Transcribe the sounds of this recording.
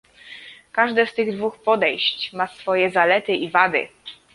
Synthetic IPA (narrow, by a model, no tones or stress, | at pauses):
kaʐd̪ɛst̪ɘɣd̪vuxpɔd̪ɛjɕt͡ɕmasfɔjɛzalɛt̪ɘʔivad̪ɘ̰